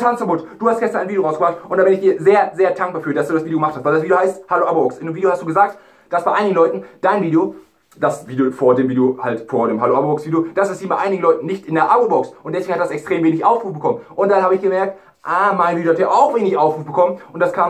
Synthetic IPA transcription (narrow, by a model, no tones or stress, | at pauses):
tʰant͡skʰapʊtd̥uːhastɡ̥ɛstɐnʔaɪnvidjoʁaʊsɡəbʁaχtʔʊntd̥aːbɪnɪçd̥iːɐzeːɐzeːɐdaŋk̚b̥aːfyːɐdasd̥uːdasviːdjoɡəmaχthastvaɪldasv̥idjohaɪsthaloːʔabobɔksʔɪndeːmviːɾjohastd̥uːɡəzaːk̚t | d̥asb̥aɪʔaɪnɪɡn̩lɔʏtn̩d̥aɪnviːdejo | d̥asviːdejofoːɐdeːmviːdeohaltfoːɐdeːmɦaloːʔabobɔksv̥iːdejod̥asɛsiːdmbaɪʔaɪnɪɡŋ̩lɔʏtn̩nɪçtʔɪndeːɐʔabobɔksʔʊntdɛsveɡŋ̩hat̚dasɛkstʁ̥eːmveːnɪçʔaʊfʁuːfbəkʰɔmənʔʊntd̥anhaːbəɪçɡ̥əmɛɐk̚t | ʔaːmaɪnviːdjohateːɐʔaʊxv̥eːnɪçʔaʊfʁuːfb̥əkʰɔmənʔʊntd̥askʰaː